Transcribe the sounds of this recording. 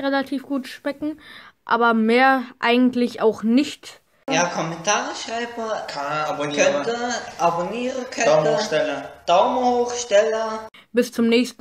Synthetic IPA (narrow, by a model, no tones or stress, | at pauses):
ʁelatʰiːfɡ̥uːtʃmɛkŋ̩ʔa̰ːbɐmeːɐʔaɪɡŋ̩tlɪçaʊxnɪçt | jaːkʰɔmɛntʰaːʁəʃaɪbəkʰaabonɛnətəʔaboniːʁəkʰɛʊmoəʃtɛlɐd̥aʊməhoːχʃtɛlɐ | b̥ɪst͡sʊmnɛːçstn